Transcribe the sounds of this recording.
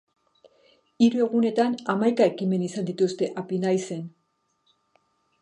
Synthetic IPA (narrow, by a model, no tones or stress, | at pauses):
iɾue̞ɣ̞une̞t̪anamajkae̞kime̞nisand̪it̪ust̪e̞ʔapinajse̞n